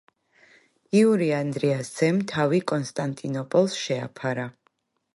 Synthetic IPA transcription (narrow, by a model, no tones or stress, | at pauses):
iuɾiand̪ɾiasz̥ɛmt̪ʰavikʼɔnst̪ʼant̪ʼinɔpʼɔlˠsʃɛa̰pʰaɾa